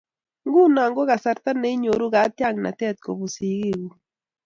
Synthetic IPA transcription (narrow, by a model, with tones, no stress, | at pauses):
ŋɡu˦na˨ŋɡo˦ɣa˨sa˨ɾt̪a˦ne˦ɲo˨ɾu˦ɣa˨˦tja˦˨ŋna̰˨tɛ˦˨t̪̚ko̰˨βu˨si˨ɣi˦˨ɣu˨